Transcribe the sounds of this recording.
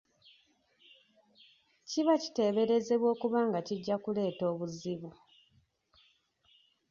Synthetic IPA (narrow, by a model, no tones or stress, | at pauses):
ciβaci̥te̞ːβe̞ɾe̞ze̞βwo̞ːkuβaːŋɡaciɟːakule̞ːto̞ːβuziβu